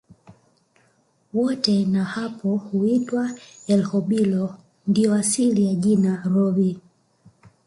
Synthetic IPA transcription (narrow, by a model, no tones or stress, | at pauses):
wɔtɛnahapʰɔhuitwaɛlhɔɓilɔ | ndiɔasilijaʄinaɾɔvi